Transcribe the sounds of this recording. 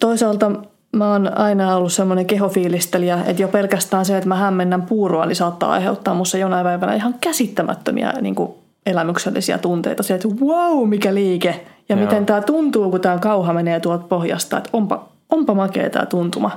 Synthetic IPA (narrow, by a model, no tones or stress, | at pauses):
t̪oisɑːlt̪ɑ | mæoːnɑinɑolːussemːoneŋkeɦofiːlist̪eliɑḛt̪jopelkæst̪æːnseet̪mæhæmːenːæmpuːroɑnisɑːt̪ːɑ̰ːɑ̰iheut̪ːɑːmmusːɑjonɑipæiʋænæ̰ihɑŋkæsit̪ːæmʔæ̰t̪ːømḭɑ̰nḭːŋku | elæmykselːḭsiæ̰t̪unt̪ḛit̪ɑseet̪wɑumikæliːkejɑmit̪ent̪æːt̪unt̪uːkut̪æːkɑuhɑmeneːt̪uɑlt̪̚pohjɑ̰st̪ɑ̰et̪ompɑ̰ | ompɑmɑkḛːt̪æ̰ːt̪unt̪umɑ